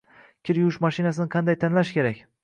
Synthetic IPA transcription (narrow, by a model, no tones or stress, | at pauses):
kʲʰɪɾjuʊʃmaʃinasɪnɪqʰɑnd̪ajt̪ʰanlaʃkʲe̞ɾakʲ